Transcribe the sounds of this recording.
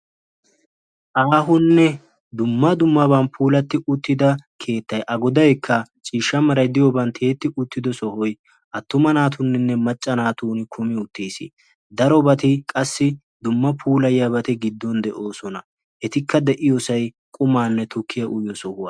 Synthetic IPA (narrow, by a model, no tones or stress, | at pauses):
ʔaːɦʊnːɛ | d̪ʊmːɐd̪ʊmːɐbɐnpʰuːlɐt̪ːɪʔʊt̪ːɪd̪ɐkʰe̞ːt̪ːɐjʔɐɡɔd̪ɐjkʰːɐ | t͡ʃʼiːʃːɐmɐɾɐjd̪ɪjɔbɐnt̪heːt̪ːɪʊt̪ːɪd̪ɔsɔhɔj | ʔɐt̪ːʊmɐnaːt̪ʊnːɪnːɛmɐt͡ʃʼːɐnaːt̪uːnɪkʰʊmɪʊt̪ːiːsɪ̰ | d̪ɐɾɔbɐt̪ɪkʼɐsːɪ | d̪ʊmːɐpʰuːlɐjjɐbɐt̪ɪɡɪd̪ːɔnd̪ɛʔo̞ːsɔnɐ | hɛt̪ɪkːɐd̪ɛʔɪjɔsɐj | kʼʊmaːnːɛt̪ʊkːɪjɐʔʊjɔsɔhʊwa̰ː